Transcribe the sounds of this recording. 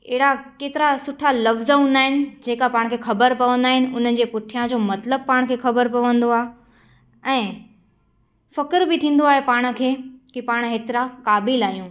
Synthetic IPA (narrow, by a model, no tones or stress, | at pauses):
ɦɪɽakeːt̪ɪɾasʊʈʰalɐfzɦũːnd̪aːɦɪnɪ̆d͡ʑeːkapaːɽ̃kʰeːxɐbəɾpɐʋə̃nd̪aːɦɪnɪ̆ʔʊn̤ə̆d͡ʑeːpʊʈʰijãd͡ʑoːmɐt̪ləb̚paːɽ̃kʰeːxɐbəɾpɐʋə̃nd̪oaːɦe | ɛ̃ː | fɐkəɾbɪt̪ʰĩːn̆d̪oaːɦepaːɽ̃̆kʰeːkipaːɽ̃ɦeːt̪ɪɾakaːbɪlaːɦijũː